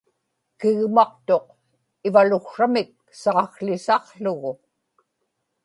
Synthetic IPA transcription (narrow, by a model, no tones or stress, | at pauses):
kɪɣmɑq̚t̪o̞q̚ | ɪvalʊxʂamɪk̚ | sɑʁɑxɬɪsɑʁɬʊɣʊ